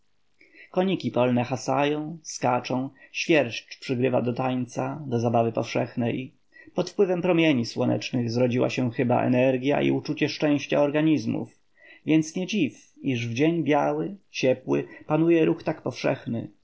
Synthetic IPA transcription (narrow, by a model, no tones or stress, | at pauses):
kɔɲikʲipɔlnɛxasa̰jɔ̃w̃skat͡ʂɔ̃w̃ɕfʲjɛɾɕt͡ɕpʂɘɡɾɘva̰d̪ɔt̪ajt̪sad̪ɔzabavɘpɔfʂɛxnɛj | pɔt̪fpwɘvɛmpɾɔmʲjeɲiswɔnɛ̰t͡ʂnɘɣzɾɔd͡ʑiwa̰ɕɛxɘba̰ʔɛ̰nɛɾɡʲja̰ʔḭut͡ʂut͡ɕɛʂt͡ʂɛ̃w̃ɕt͡ɕa̰ɔɾɡaɲizmṵf | vʲjɛnt̪sɲɛd͡ʑif | iʐvd͡ʑeɲbʲjawɘt͡ɕɛpwɘ̰panujɛɾuxt̪akpɔfʂɛ̰xnɘ̰